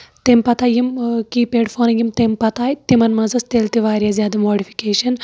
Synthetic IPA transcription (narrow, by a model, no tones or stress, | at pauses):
t̪empɐt̪aːjimkipeːɖfʰoːnɐŋjimt̪empɐt̪aːjt̪imɐnmɐzɐst̪eːlt̪iʋaːɾjazʲjaːd̪ɐmoːɖifʰi̥keːʃɐn